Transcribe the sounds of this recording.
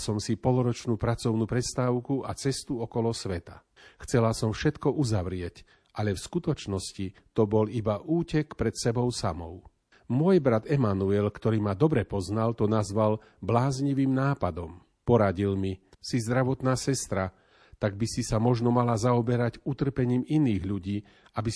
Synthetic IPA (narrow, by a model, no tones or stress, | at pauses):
sɔmsipɔlɔɾɔt͡ʃnuːpɾat͡sɔʊnuːpɾɛst̪aːʊkuʔat͡sɛst̪uɔkɔlɔsʋɛt̪a̰ | xt͡sɛlasɔmfʃɛt̪kɔʔuzaʋɾɪɛc | ʔalɛfskut̪ɔt͡ʃnɔscit̪ɔbɔlibaʔuːcɛkpɾɛt̪sɛbɔʊsamɔ̰ʊ | mʊɔjbɾad̪ɛmanuɛlkt̪ɔɾiːmad̪ɔbɾɛpɔznalt̪ɔnazʋal | blaːzɲiʋiːmnaːpad̪ɔm | pɔɾaɟilmi | sizd̪ɾaʋɔt̪naːsɛst̪ɾa | t̪aɡ̚bisisamɔʒnɔmalazaɔbɛɾaɟut̪r̩pɛɲiːminiːɣʎuɟiː | abi